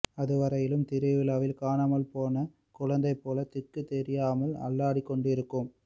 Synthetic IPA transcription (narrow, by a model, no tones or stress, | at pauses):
ɐðɯʋɐɾɐjɪlɯmt̪ɪɾɪʋɪlaːʋɪlkaːnaːmɐlpoːnɐ | kʊɻɐnd̪ɐɪpːoːlɐt̪ɪkːɯt̪ɛɾɪjaːmɐlɐ̰ɭːaːɽikːɔɳɖɪɾɯkːɯm